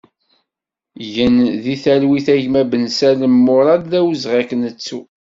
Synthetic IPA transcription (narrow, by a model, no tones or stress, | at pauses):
ʝənðiθælwiθæʝmæbənsæləmːʊɾˤɑd̪ðæwəzʁæknət͡sːu